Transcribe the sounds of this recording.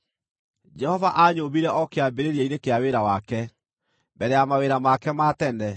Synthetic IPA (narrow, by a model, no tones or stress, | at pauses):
d͡ʒɛhɔvaʔaɲobiɾɛʔɔkeabeɾeɾjaiɾekeaweɾawakɛ | mbɛɾɛamaweɾamakɛmatɛnɛ